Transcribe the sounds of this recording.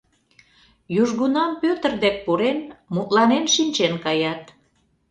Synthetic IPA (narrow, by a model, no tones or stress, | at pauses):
juʒɣunɑmpøt̪ə̆rd̪ek̚puɾenmut̪lɑnenʃinʲt͡ɕenkɑjɑt̪̚